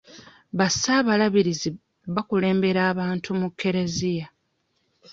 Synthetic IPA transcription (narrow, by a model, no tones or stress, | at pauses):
βasaːβalaβiɾizi | βakule̞ːmbe̞ɾaːβaːntʰumukːe̞ɾezija